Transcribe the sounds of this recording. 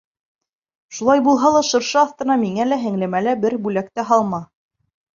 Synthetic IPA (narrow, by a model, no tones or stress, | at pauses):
ʃulˠɑjbulˠɦɑlˠɑʃɤ̆ɾʃɤɑθt̪ɤ̆nɑmiŋælæɦɘ̆ŋlæmælæbɘɾbʉlækt̪æɦɑlˠmɑ